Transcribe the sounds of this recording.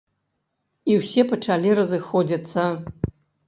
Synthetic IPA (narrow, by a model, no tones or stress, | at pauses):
iwsʲepɐʈ͡ʂʰalʲirɐzɨxod͡zʲit͡sːɐ